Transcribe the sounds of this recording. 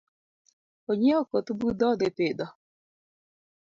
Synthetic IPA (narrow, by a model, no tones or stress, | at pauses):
oɲeokotubudɔdɪpedɔ